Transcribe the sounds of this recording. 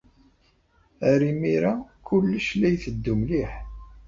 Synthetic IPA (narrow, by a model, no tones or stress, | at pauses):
æɾimiɾakʊlːəʃlæjθəd̪ːumliħ